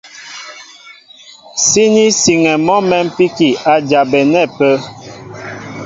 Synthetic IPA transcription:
si˦ni˦si˨ŋɛ˨mɔ˦mɛ˦m̩˦pi˦ki˨a˨d͡ʒa˨bɛ˨nɛ˦˨pə˦

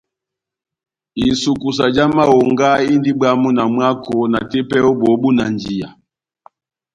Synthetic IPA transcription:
i˨su˨ku˨s̬a˨d͡ʒa˦ma˦ɔ˨ŋɡa˦i˦ndi˦ba˦mu˦na˨mwa˦kɔ˨na˨tɛ˦pɛ˦ɔ˦bɔ˨˦bu˦na˨nd͡ʒi˨a̰˨

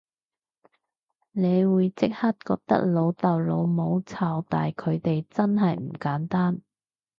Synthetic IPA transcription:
ne˨˧jwuː˨˧jt͡sɪ˥k̚hɐ˥t̚kɔː˧k̚t̪ɐ̰˥k̚lo˨˧wt̪ɐ˨wlo˨˧wmo˨˧wt͡sʰaː˨˧wt̪a̰ː˨jkʰɵ˨˧ɥt̪e˨jt͡sɐ˥nɦɐ˨jm̩˨˩kaː˨˥nt̪aː˥n

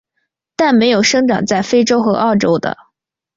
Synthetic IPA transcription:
t̪a˥˩nme˧˥ɪjo˨˩ʊʂɤ˥ŋʈ͡ʂɑ̰˨˩ŋt͡sa˥˩ɪfe˥ɪʈ͡ʂo˥ʊxɤ̰˧˥ʔɑ˥˩ʊʈ͡ʂo˥ʊd̪ə̰˧

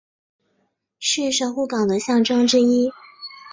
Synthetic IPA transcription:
ɕy˥˩ʂə˨˩xu˥˩kɑ˨˩ŋd̪ə˦ɕjɑ˥˩ŋʈ͡ʂɤ˥ŋʈ͡ʂɻ̩˥i˥

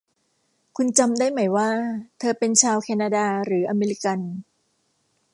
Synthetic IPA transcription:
kʰu˧nt͡ɕa˧mdaː˥˩jma˩˦jwaː˥˩t̪ʰɤː˧pe˧nt͡ɕʰaː˧wkʰɛː˧naː˧daː˧ɾɯː˩˦ʔa˧meː˧li˦˥ka˧n

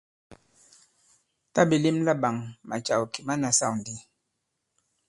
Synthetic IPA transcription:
ta˦bi˨li˦mla˦ba˨ŋma̰˨t͡ʃa˨wki˨ma˦na˨sa˦˨n˨di˦

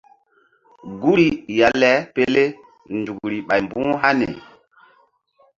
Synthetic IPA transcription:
ɡu˦ɾi˨ja˨lɛ˦pe˦le˦ | ndu˨kɾi˨ɓa˨jmbũ˦ɦa˦nḛ˨

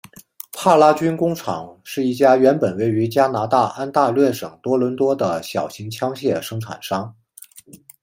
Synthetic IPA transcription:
pʰa˥˩la˥t͡ɕy˥nkʊ˥ŋʈ͡ʂʰɑ˨˩˦ŋʂɻ̩˥˧i˥˩t͡ɕja˥ɥɛ˧˥npə˨˩nwe˥˩ɪy˧˥t͡ɕja˥na˧˥t̪a˥˩ʔa˥nt̪a˥˧lɥɛ˥˩ʂɤ˨˩ŋt̪wɔ˥lwə˧˥nt̪wɔ˥d̪ə˨ɕjɑ˨˩ʊɕi˧˥ŋt͡ɕʰjɑ˥ŋɕjɛ˥˩ʂɤ˥ŋʈ͡ʂʰa̰˨˩nʂɑ˥ŋ

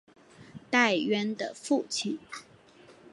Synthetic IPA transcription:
t̪a˥˩ɪɥɛ˥nd̪ə˨fu˥˩t͡ɕʰi˨˩˦n

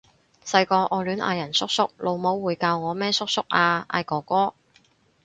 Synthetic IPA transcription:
sɐ˧jkɔː˧ʔɔː˨˧lyː˨˥nʔa̰ː˧jɐ˨˩nsʊ˥k̚sʊ˥k̚lo˨˧wmo˨˥wːuː˨˧jkaː˧wŋɔː˨˧mɛː˥sʊ˥k̚sʊ˥k̚ʔaː˧ʔa̰ː˧jkɔː˨˩kɔː˥

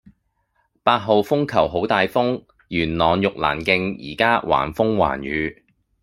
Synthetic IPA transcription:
paː˧t̚ɦo˨wfʊ˥ŋkʰɐ˨˩wɦo˨˥wt̪aː˨jfʊ˥ŋ | jyː˨˩nlɔː˨njʊ˨k̚la̰ː˨˩nkɪ˧ŋjḭː˨˩kaː˥wʔa̰ː˨˩nfʊ˥ŋwa̰ː˨˩njyː˨˧

